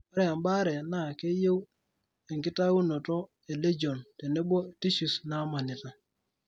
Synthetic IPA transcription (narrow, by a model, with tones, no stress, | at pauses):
a˦ɾɛ˦a˨mba˦ɾɛ˨na˦˨ke˦je˦w | e˨ŋki˦ta˦wu˦no˨tɔ˦ | e˨le˦d͡ʒo˨ntɛ˨nɛ˦bo˦ti˦ʃu˨sna˦ma˨ni˨ta˨